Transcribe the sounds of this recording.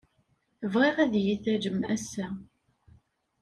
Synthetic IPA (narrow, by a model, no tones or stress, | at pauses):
əvʁiʁæðjiθæd͡ʒəmæsæ